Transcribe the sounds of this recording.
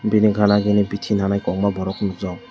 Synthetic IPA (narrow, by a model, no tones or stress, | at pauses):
biniɡʱanaɡinibitʰinʰanajkɔŋbabɔɾɔknuk̚zaw